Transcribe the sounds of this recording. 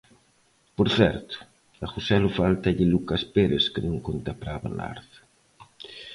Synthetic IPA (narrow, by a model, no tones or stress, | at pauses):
poɾθɛɾt̪ʊ̥ | aɣusɛlʊfalt̪aʎɪlukaspeɾeskɪnõŋkont̪apɾaβa̰la̰ɾθ